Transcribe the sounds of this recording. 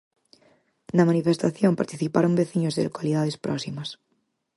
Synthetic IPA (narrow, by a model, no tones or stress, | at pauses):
namanifest̪aθjõmpaɾt̪iθipaɾombeθiɲozðḛkwaliðaðespɾʔɔ̰simas